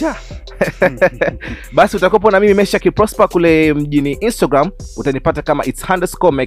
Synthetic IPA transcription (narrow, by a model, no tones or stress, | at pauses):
a | ɓasiutakɔp̬ɔnamimimɛʃakipɾɔspakulɛm̩ʄiniʔinstaɡɾamutanipatakama̰ʔitshãndɛskɔmɛk